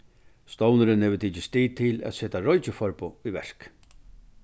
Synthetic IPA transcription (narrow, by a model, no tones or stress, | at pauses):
st̪ɔwnəɾɪnheːʋət̪ʰiːt͡ʃɪst̪iːt̪ʰɪlæ̰t̪seːt̪aɾɔjt͡ʃɪfɔɾpʊiʋɛɹ̥k